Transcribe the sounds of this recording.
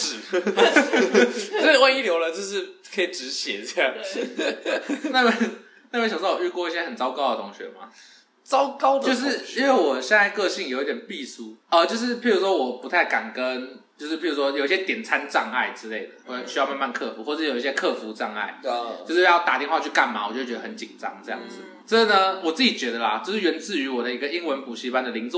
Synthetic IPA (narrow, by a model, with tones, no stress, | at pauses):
ɻ̩˨˩˥ | e˥˧wa˥˧i˥˩ljo˧ʊlə˨˧t͡ɕjo˥˧ʊʂ̬ɻ̩˥˩kʰɤ˧˥i˨˩ʈ͡ʂɻ̩˧˦˥ɕjɛ̰˨˩˥ja˥˩ | na˥˧we˥˩ | na˥˧wɕɑ˨ŋʂɑ˥˩wɔ˨˩y˥˧kwɔ˥˧i˥˩ɕjɛ˥xə˨˩nt͡sɑ˥ʊkɑ˥ʊd̪ə˨˩ʊ˧˥ŋɕɥɛ̰˨˥˦ma̰˨ | t͡sɑ˥˦ʊkɑ˥ʊd̪ət͡ɕo˥˧ʊʂ̬ɻ̩˥˩i˥˦nwe˥˩ɪwɔ˨˩ɕjɛ˥˧na˥˧ɪkɤ˥˧ɕi˥˩ŋjo˨˩˥t̪jɛ˨˩npi˥˧su˥ə˧t͡ɕjo˥˧ʊʂ̬ɻ̩˥˧pʰi˥˩ɻu˧˥ʂwɔ˥wɔ˨˩pu˧˦t̪ʰa˥˩ɪka˨˩nkə˦nt͡ɕjo˥˧ʊʂɻ̩˥˩pʰi˥˩u˧˥ʂwɔ˥jo˨ʊi˥ɕjɛ˥t̪jɛ˨˩nt͡sʰa˦nʈ͡ʂɑ˥˧ŋa̰˥˩ɪʈ͡ʂɻ̩˥le˥˩ɪd̪ə˩˥˩ɕy̥˧˥jɑ˥˧ʊma˥˧ma˥˧nkʰɤ˥˩fu˧˥xwɔ˥˧˩jo˨˩i˥˧ɕjɛ˥kʰɤ˥˩fu˧˥ʈ͡ʂɑ˥˧ŋa̰˥˩ɪt͡ɕo˥˧ʂɻ̩˥˧jɑ˥˩ʊt̪a̰˨˩t̪jɛ˥˧nwa˧t͡ɕʰy˥˧ka̰˥˩nma̰˨˩wɔ˨˩t͡ɕo˥˩t͡ɕɥɛ˧˥də˧hə˧˦nt͡ɕi˨˩nʈ͡ʂɑ̰˥ŋʈ͡ʂɤ˥˧jɑ̰˥˩ŋd͡z̩˨˩ | ʈ͡ʂə˥˩˨nə˧wɔ˨˩t͡sɹ̩˥˩t͡ɕi˨˩t͡ɕɥɛ˧˥d̪ə˧˨lɐ˨˩t͡ɕjo˥˧ʂɻ̩˥˩ɥɛ˧˥nt͡sɹ̩˥˩y˧˥wɔ˨˩d̪ə˦i˧˥ɡə˧i˥ŋwə˧˥npu˨˩ɕi˥˩pa˥˧nd̪ə˩li˧˥ŋt͡s